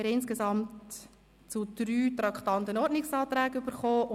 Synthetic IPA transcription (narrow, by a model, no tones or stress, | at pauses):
ɾɪnskesɑmt | t͡sud̥ɾyːtɾɑkχt̪ɑnt̪ənɔɾtnɪksɑːt̪ɾɛːɡybəɾχoːʔʊ